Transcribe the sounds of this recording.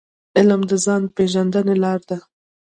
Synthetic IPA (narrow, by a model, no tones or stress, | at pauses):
ɪlmd̪əzɑnpeʒand̪ənelɑɾd̪a